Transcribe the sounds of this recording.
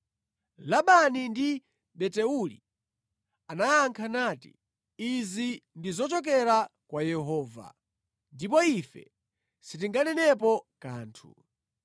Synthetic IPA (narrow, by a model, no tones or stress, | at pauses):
laɓanindi | ɓɛtɛulḭ | anajaŋkʰanaːtḭ | izindizɔt͡ʃɔk̬ɛɾakwajɛɦɔːva̰ | ndipɔifɛ̰ | sit̬iŋɡanɛnɛp̬ɔkaːntʰu